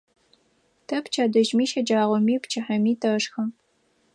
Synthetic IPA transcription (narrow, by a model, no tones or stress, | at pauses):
tʰɐpt͡ʃʰaːdɐʒmiːʃɐd͡ʒaːʁʷɔmiːpt͡ʃʰɐħɐmiːtʰɐʂxɐ